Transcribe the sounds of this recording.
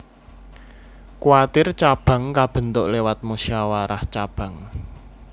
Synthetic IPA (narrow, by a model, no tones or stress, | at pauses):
kuat̪ɪrt͡ʃab̥a̤ŋkab̥ə̤nt̪ʊʔlewat̪̚musiawaɾaht͡ʃab̥ä̤ŋ